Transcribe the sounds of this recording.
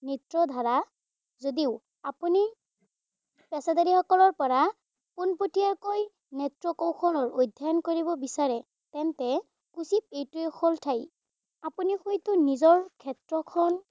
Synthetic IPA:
nitɹɔdʱaɹa | zodiʊ | apuni | pɛsadaɾixɔkɔlɔɹpɔɹa | punpotijaɹkoj | nɛtɹɔkɔwkʰɔlɔɹojdʱːankoɹibɔbisaɹɛ | tɛntɛ | kusip̚etixʰɔltʰaj | apunixojtʊnizɔɹkʰɛtɹɔkʰɔn

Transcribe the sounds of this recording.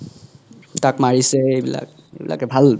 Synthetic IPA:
takmaɹisɛejbila̰k̚ | ḛbila̰kɛbʱal

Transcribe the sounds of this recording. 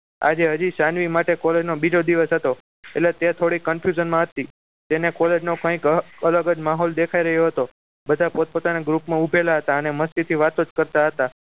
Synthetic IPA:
a̰d͡ʒeɦəd͡ʒiʃanʋimaʈekɔled͡ʒnobid͡ʒod̪iʋəsɦət̪o | eʈlet̪et̪ʰoɽikːəmfʰjud͡ʒənmãɦət̪i | t̪enekɔled͡ʒnokãikələɡəd͡ʒmaɦɔld̪ekʰaiɾəɦjoɦət̪o | bəd̪ʱapot̪̚pot̪anaɡɾupmãubʱelaɦət̪aəneməst̪it̪ʰiʋat̪od͡ʒkəɾt̪aɦət̪a

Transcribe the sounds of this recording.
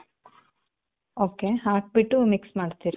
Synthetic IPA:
oːkeɦaːk̚biʈːumiksmaːɖt̪iːɾi

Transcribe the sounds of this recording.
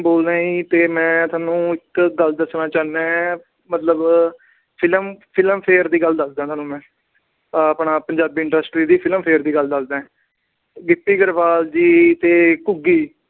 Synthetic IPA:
boːld̪ãːĩːt̪eːmɛ̃ːt̪ʰʊaːnũːɪkɡəld̪əsnãːt͡ʃaːnɛ̃ː | mət̪ləb | pʰɪləmpʰɪləmpʰeːɾd̪iːɡəld̪əsd̪ãːt̪ʰoːnũːmɛ̃ː | pɳaːpəɲd͡ʒaːbiːɪɳɖəsʈɾiːd̪iːpʰɪləmpʰeːəɾd̪iːɡəld̪əsd̪ãː | ɡɪpːiːɡəɾʋaːld͡ʒiːt̪eːkʊɡiː

